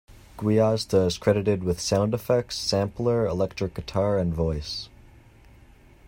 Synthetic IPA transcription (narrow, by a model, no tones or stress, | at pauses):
ɡ̥wiɑztəɪz̥kʰɹ̥ɛɾɨɾɨd̚wɨð̥sãʊ̃ndɨfɛk̚tsæ̃mplˠə˞ɪlɛk̚tɹ̥ɨk̚ɡ̥ɨtʰɑɹɨ̃nvɔɪs